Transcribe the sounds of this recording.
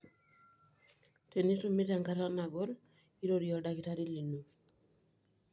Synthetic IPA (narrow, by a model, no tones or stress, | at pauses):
tenisomitaŋkaɾanaɡɔl | iɾoɾijɔdakitaɾilinu